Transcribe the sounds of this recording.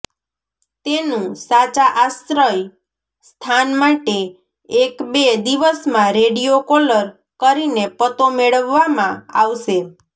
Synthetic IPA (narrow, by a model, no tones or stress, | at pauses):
t̪enũsat͡ʃaʔasɾəj | st̪ʰanmaʈe | ekbed̪iʋəsmãɾeɽijokɔləɾ | kəɾinepət̪omeɭəʋːamãaʋʃe